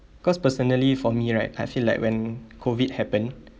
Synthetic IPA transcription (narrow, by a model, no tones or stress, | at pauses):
kɔspəsɔnəlifɔmiɹaɪta̰jfilaɪkwɛ̃nkʰovid̚hɛpə̃n